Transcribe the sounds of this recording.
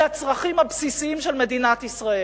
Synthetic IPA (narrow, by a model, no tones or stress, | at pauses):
at͡sʁaχimhabsisiimʃelme̞d̪inat̪isʁae